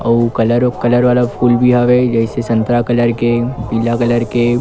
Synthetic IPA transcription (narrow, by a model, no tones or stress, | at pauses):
ɐ̰ukɐləɾkɐləɾʋaːlafʰuːlbʱiɦaʋed͡ʒɛɪsesɐ̃nt̪ɾakɐləɾkepilakɐləɾke